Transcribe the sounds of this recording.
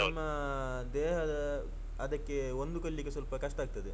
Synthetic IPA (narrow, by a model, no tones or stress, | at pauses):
ɐmːɐ | d̪ɛːɦɐd̪ɐ | ɐd̪ɐkːeond̪ukɐɭːiɡesɐlpɐkɐʂʈɐaːɡ̚t̪ɐd̪e